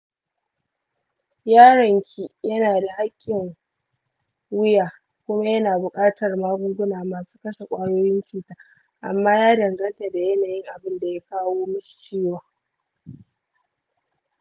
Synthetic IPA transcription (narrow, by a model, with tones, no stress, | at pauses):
jaː˦ɽɐ˨ŋkʲʰi˦jɐ˦naː˨da˨ha˦kʲʼːɪ˨ŋ | wɪ˦jaː˨ | kʷʊ˦ma˦jɐ˦naː˨bʊ˨kʼaː˦tɐ˨rmaː˦ɡʷʊ˦ŋɡʷʊ˦naː˨maː˨su̥ː˦kɐ˦ʃe˨kʷʼaː˦joː˦jɪ˦nt͡ʃuː˦taː˦ | ʔa̰˨mːaː˦jaː˦dɐ˨ŋɡɐ˦nta˨da˨jɐ˦naː˨jɪ˦ŋʔa˨bɪ˦nda˨ja˦kaː˦woː˦mʊ˦ʃi̥˨t͡ʃiː˦waː˨